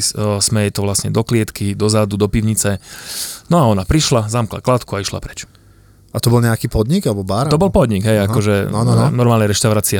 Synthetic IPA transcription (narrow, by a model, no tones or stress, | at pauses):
ssmɛjɛt̪ɔʋlasɲɛd̪ɔklɪɛt̪kid̪ɔzad̪ud̪ɔpiʊɲit͡sɛ | nɔaɔnapɾiʃlazamkla̰klat̪kuaiʃla̰pɾɛ̥t͡ʃ | at̪ɔbɔlɲɛakiːpɔd̪ɲiɡalɛbɔbaɾt̪ɔbɔlpɔd̪ɲiɡɦɛjakɔʒɛnnɔɾmaːlɲɛɾɛʃt̪aʊɾaːt͡sia